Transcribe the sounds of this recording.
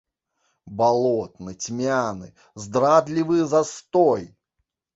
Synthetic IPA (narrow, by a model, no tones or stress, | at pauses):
balˠot̪nɨtʲmʲanɨ | zd̪ɾad̪lʲivɨjzɐst̪oj